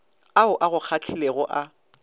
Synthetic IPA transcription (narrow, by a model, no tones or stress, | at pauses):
aʊʔaɣʊk͡xʰakʰɪleɣʊʔa